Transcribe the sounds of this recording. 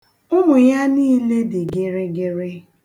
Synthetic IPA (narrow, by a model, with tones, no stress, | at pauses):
ʊ˦mʊ˨ja˦niː˦le˦dɪ˨ɡɪ˦ɾɪ˦ɡɪ˦ɾɪ˦